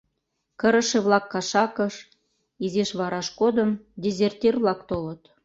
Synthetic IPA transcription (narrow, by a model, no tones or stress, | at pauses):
kə̆ɾə̆ʃĕβlɑkːɑʃɑkəʃ | izeʃβɑɾɑʃkod̪əmd̪ʲezʲert̪ʲirβlɑkt̪olə̆t̪